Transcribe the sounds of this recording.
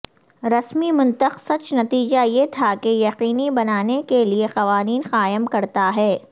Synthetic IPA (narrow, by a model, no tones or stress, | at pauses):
ɾɐsmimʊ̃nt̪əqsɐt͡ʃnɐt̪iːd͡ʒajet̪ʰakejɐqiːnibɐnaːnekeliexɐʋaːniːnxaːjɪəmkɐɾt̪aɦɛː